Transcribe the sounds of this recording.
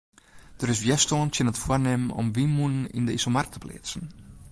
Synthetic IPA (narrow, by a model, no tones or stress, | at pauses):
d̥əɾɪsʋjɛstoəntjɪnətfuərnɪməɔ̰mʋimunənḭndəisomark̚tʰə̥pʰlɪ̰ːt͡sən̩